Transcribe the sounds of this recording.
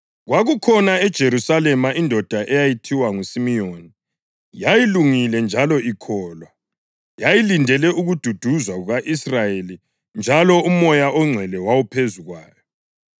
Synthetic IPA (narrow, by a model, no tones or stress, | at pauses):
ɣwaɣukʰɔnaɛd̥ʒ̥ʱeɾusalɛmaindʱɔd̥ʱaʔɛjajitʰiwaŋusimioni | jajiluŋilɛnd͡ʒʱalɔikʰɔːlwa | jajilindʱɛlɛʔuɣud̥ʱud̥ʱuzwaɣuɣaʔisrajeli | nd͡ʒʱalɔumɔjaʔɔŋ͡ǀʱɛlɛwawupʰezuɣwa̰ːjɔ